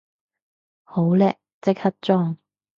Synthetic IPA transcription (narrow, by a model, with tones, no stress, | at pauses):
ho˨˥wlɛː˧˥k̚t͡sɪ˥k̚hɐ˥t̚t͡sɔː˥ŋ